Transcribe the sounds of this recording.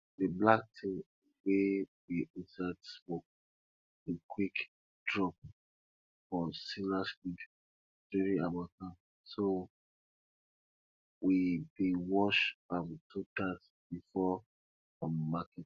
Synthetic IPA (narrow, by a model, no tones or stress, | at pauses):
dəblak̚tʰĩ | wewiʔĩsatsmok̚ | ekʰwik | d̥ɹɔp̚ | fɔsilasfik | tɛɹĩabatãm | so | wibĩwɔʃfamtʰutas | b̥ifɔ | amakɛt